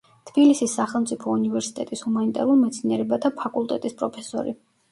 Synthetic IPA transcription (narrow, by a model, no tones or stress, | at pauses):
t̪ʰbilisisːaχɛlˠmt̪sʼipʰɔunivɛɾsi̥t̪ʼɛt̪ʼishumanit̪ʼɛ̰ɾulˠimɛt̪sʰniɛɾɛbat̪ʰapʰakʼulˠt̪ʼɛt̪ʼispʼɾɔpʰɛ̥sɔ̰ɾḭ